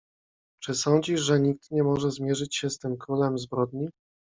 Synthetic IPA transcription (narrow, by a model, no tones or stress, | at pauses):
t͡ʂɘsɔnd͡ʑiʂʐɛɲik̚t̪ɲɛmɔʐɛzmʲjɛʐɘt͡ɕɕɛst̪ɘmkɾulɛmzbɾɔd̪ɲi